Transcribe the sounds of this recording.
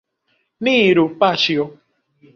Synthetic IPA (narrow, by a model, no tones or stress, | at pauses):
niːɾupat͡ʃiɔ